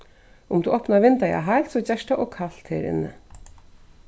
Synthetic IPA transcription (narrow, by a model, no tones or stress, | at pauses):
ʊmd̪uʔɔpnaʋɪnt̪aja̰ɦajlt̪sɔd͡ʑɛʃʈaʔɔkʰaɬt̪heːɾɪ̰nːɪ̰